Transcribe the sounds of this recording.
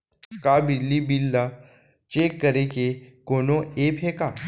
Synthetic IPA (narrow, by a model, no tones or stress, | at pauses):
kabilːibilːa | t͡ʃeːkːəɾekekoːnoeːpʰɦekaː